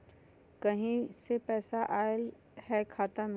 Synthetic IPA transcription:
kɐɦĩsepɛːsaʔaːɪl | ɦɛkʰaːt̪əm

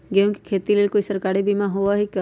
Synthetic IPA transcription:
ɡejõki̥kʰeːt̪ileːlkoːisəɾkaːɾibimãɦoʋaɦikə

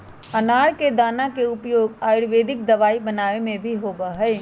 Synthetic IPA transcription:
ɐnaːɽked̪aːnakeʊpjoːɡaːɪɽʋeːd̪ɪk̚d̪ɐʋaːibɐnaːemẽbʱiɦoːbaɦɛː

